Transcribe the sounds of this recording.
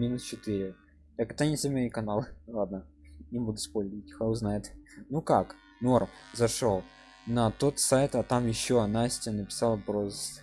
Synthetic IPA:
mʲinʊst͡ɕɪt̪ɨɾʲɪ | jakɐɡ̚d̪anʲɪsʲɪmʲekɐnalˠlˠad̪̚nənʲɪbud̪ʊspolʲətʲxɐznajɪt̪nukak | norm | zɐʂolˠ | nɐt̪o̞t̪sajt̪ɐt̪amjɪɕːoɐnasʲtʲɪnəpʲɪ̥sɑlˠpɾozs

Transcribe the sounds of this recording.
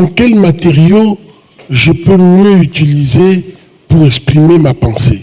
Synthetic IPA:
dɑ̃kɛlmat̪eʁjo | ʒəpømjøyt̪ilize | puʁɛkspχimemapɑ̃se

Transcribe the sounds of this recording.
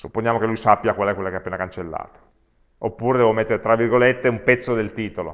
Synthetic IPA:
supːonjaːmokelujsapːjakwalɛkwelakeapːeːnakant͡ʃelːa̰ːt̪o̥ | opːuːɾed̪ɛvomet̪ːeɾet̪ɾavːirɡolet̪ːeumpɛt̪sːod̪elt̪iːt̪olo̰

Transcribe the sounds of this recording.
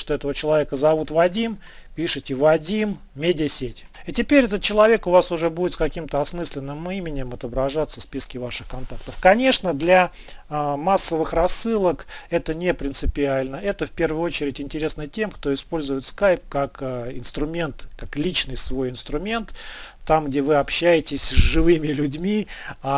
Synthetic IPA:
ʂt̪oɛt̪əvət͡ɕɪlˠɐvʲe̞kəzɐvut̪vɐdʲim | pʲiʂɨtʲɪvɐdʲimːʲ | edʲɪəsʲetʲ | itʲɪpʲeɾʲɛt̪ət̪̚t͡ɕɪlˠɐvʲe̞kʊvasʊʐɛbudɪt̪skɐkʲimt̪əɐsmɨsʲlʲɪnːɨmimʲɪnʲɪmɐt̪əbɾɐʐat̪sːəspʲiskʲɪvaʂɨxkɐnt̪akt̪əfkɐnʲe̞ʂnəd̪lʲa | masːəvɨxrɐsːɨlˠəkɛt̪ənʲɪpɾʲɪnt̪sɨpʲɪalʲnəɛt̪əfpʲe̞rvʊjʊot͡ɕɪɾʲɪtʲɪnʲtʲɪɾʲe̞snətʲe̞mkt̪oɪspo̞lʲzʊjɪt̪skajp̚kakːɪnst̪ɾʊmʲe̞nt̪kaklʲit͡ɕnɨjsvo̞jɪnst̪ɾʊmʲe̞nt̪ːamɡdʲevɨɐpɕːæjɪtʲɪsʲzʐɨvɨmʲɪlʲʊdʲmʲia

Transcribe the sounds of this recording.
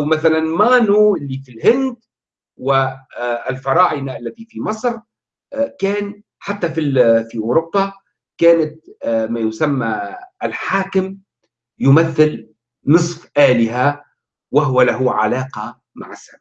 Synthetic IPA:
ʔawmaθalanmaːnuʔɪlːifilhɪnd̪ | wɪɪlfɑɾˤɑːʔɪnaʔalːat̪ifimɑsˤɾ | kæːn | ħat̪ːafifiʔʊːɾʊbːɑ | kaːnat̪̚majʊsamːaɪlħaːkɪm | jʊmaθːɪl | nɨsˤfʔaːlɪɦa | waɦʊwalaɦuʕa̰laːqɑ | ma̰ʕasab

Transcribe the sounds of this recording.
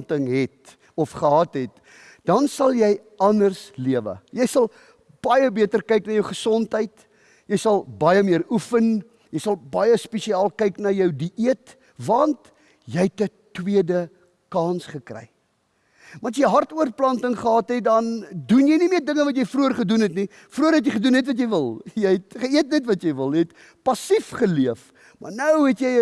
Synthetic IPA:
ntəŋɦɛt̚ | ɔfχəɦɑtɦɛt̚ | dɐnsɐlˠjɛj | ʔɐndərsliəvə̰jɛjsɐlˠ | b̥ɐjəbiətərkɛjknɐjəwχəsɔntɦəjt | jəjsɐlˠbɐjəmiəɾufən | jəjsɐlˠbɐjəspisiɑːlˠkɛjknɐjəwdiʔiət | vɐnt | jɛjtə | twiədə | kɑːnsχəkrɛ̰j | mɐns̬jəjɦɐrtuərplɐntəŋχəɦɑːtɦɛdɐndunjəjnimiərdəŋəvɐt̬jəjfruərχədunɦɛtni | fruəɾɦɛtjəjχədunɛtvɐt̬jəjvəlˠjəjɛtχəiətnɛtvɐtjəjvəlˠjɛjɛt | pɐsifχəliəf | mɐ̰rnəwɦɛtjəj

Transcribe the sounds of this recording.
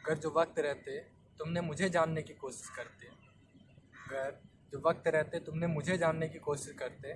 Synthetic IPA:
ɐɡəɾd͡ʒoːʋɐk̚t̪ɾɛɦt̪eɛ | t̪ʊmnemʊd͡ʒʱed͡ʒaːnːekikoːʃɪ̥ʃkɐɾt̪e | ɐɡəɾ | d͡ʒoːʋɐk̚t̪ɾɛɦt̪eɛt̪ʊmnemʊd͡ʒʱed͡ʒaːnːekikoːʃɪʃkɐɾt̪e

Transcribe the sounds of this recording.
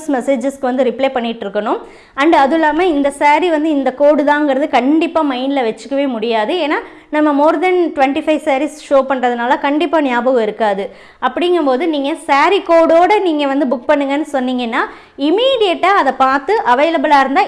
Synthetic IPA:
smɛseːd͡ʒɐskɯʋɐnd̪ɯɾɪpleːpɐɳːɪʈːɾɯkːɐɳʊ̃m | ɐɳɖɐðɯlːaːmɐɪnd̪ɐsaːɾiʋɐnd̪ɯɪnd̪ɐkoːɽɯðãːŋɡɐɾɐðɯkɐɳɖɪpːaːmɐɪnɪlɐʋɛt͡ʃːɯ̥kːɐʋeːmʊɽɪjaːðɯeːnːaː | nɐmːɐmoːɾd̪ɐnʈʊʋɛɳʈifɐɪʋsaːɾisʂoːpɐɳːrɐðɯnaːlɐkɐɳɖɪpːaːnɪjaːbɐɣɯɪɾɯkːaːðɯ | ɐpːɐɽɪŋɡɯmpoːðɯniːŋɡɐsaːɾikoːɽoːɽɐniːŋɡɐʋɐnd̪ɯbʊk̚pɐɳːɯŋɡɐnːɯsɔnːiŋɡɐnːaː | ɪmiːɽɪjɐʈːaːɐðɐpaːɾt̪ɯʔɐʋɐɪlɐbɯlaːɪɾɯnd̪aː

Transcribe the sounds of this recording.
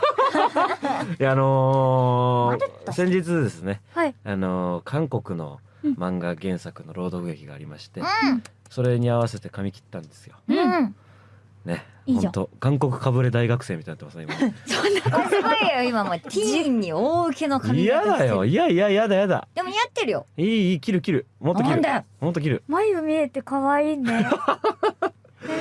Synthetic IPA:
ano̞ | sẽ̞ɲ̟d͡ʑit͡sɨd̪e̞sɨne̞iano̞kʰãŋko̞kɯ̟no̞̰ | mãŋɡaɡẽ̞ɰ̃sakɯ̟no̞ɾo̞ːd̪o̞kɯ̟ɡe̞kʲiɡa̰ːɾʲimaɕi̥t̪e̞so̞ɾe̞ɲ̟iaβase̞t̪e̞kamʲikʲi̥t̪ːãnd̪e̞̥sɨ̥jo̞ | ne̞õt̪oɡãŋko̞kɯ̟̥kabɯ̟ɾe̞d̪aiɡakɯ̟̥seːmʲit̪ajnat̪okaseimasonːakaioimamot̪ʲʰiiɲːioːɯkenokaijad̪ajo̞ijaijaijad̪ajad̪a̰d̪̥emoijat̪ːeɾɯ̟jo̰iːiːkʲiɾɯ̟kʲiɾɯ̟mot̪ːokʲiɾɯd̪jmo̞t̪ːokʲiɾɯ̟maijɯmʲeet̪ːe̞kaβaiːne

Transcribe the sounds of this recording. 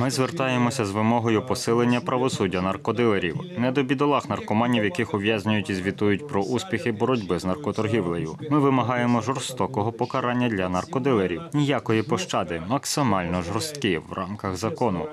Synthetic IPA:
mɪzʋert̪ɑjemɔsʲɐzʋɪmɔɦɔjʊpɔsɪlˠenʲːɐpɾɐʋɔsudʲːɐnɐrkɔd̪ɪlˠeɾʲḭwnɛd̪ɔbʲid̪ɔlˠɑxnɐrkɔmɑnʲːiwjɐkɪxʊʋʲjazʲnʲʊjʊtʲizʲʋʲit̪ujʊtʲpɾɔʔusʲpʲixɪbɔɾɔdʲbɪznɐrkɔt̪ɔrɦʲiwlˠejʊ̰mɪʋɪmɐɦɑjemɔʒɔrst̪ɔkɔɦɔpɔkɐɾɑnʲːɐd̪ʲlʲɐnɐrkɔd̪ɪlˠeɾʲiwnʲijakɔjipɔʃt͡ʃɑd̪ɪmɐksɪmɑlʲnɔʒɔɾst̪kɪwrʔɑ̰mkɐɣzɐkɔnʊ̰

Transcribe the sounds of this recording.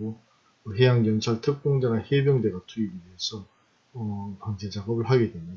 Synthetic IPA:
o | ɦe̞jaŋɡjʌnt͡ɕʰaɭtʰɯk̚p͈oŋdeɡahebjʌŋde̞ɡatʰuiɡieesʰʌː | paŋd͡ʑet͡ɕaɡʌbɯɭɦaɡedwemjʌ

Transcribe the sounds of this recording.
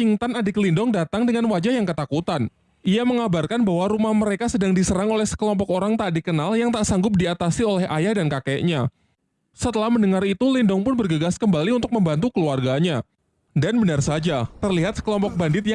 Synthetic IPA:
iŋt̪anadiklindɔŋdat̪aŋdəŋanwad͡ʒahjaŋkət̪akut̪an | ʔiaməŋabarkanbaɦwaɾumahməɾekasədaŋdisəɾaŋolɛhsə̥kəlɔmpɔkoɾaŋt̪aʔdikənaljaŋt̪aʔsaŋɡʊp̚diat̪asiolɛhʔa̰jahdankakɛʔɲa | sət̪əlahməndəŋarit̪ulindɔŋpʊnbərɡəɡaskəmbaliunt̪ʊk̚məmbant̪ukəluarɡaɲa | danbənarsad͡ʒat̪ərliɦat̪̚sə̥kəlɔmpɔk̚bandɪt̪̚ja

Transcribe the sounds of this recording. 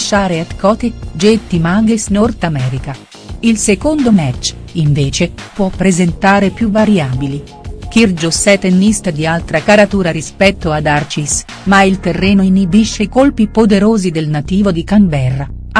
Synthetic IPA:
ʃːaːɾeɛt̪kɔt̪ed͡ʒet̪ːimaɡesnort̪amɛːɾika | ilsekond̪omɛt͡ʃː | iɱveːt͡ʃepwɔpːɾezent̪aːɾepjuvaɾjaːbili | k̟ird͡ʒosɛt̪enːist̪ad̪ialt̪ɾakaɾat̪uːɾaɾispɛt̪ːoad̪art͡ʃis | mailt̪erːɛːnoinːibiʃːeikolpipod̪eɾoːzid̪elnat̪iːvod̪ikambɛrːa

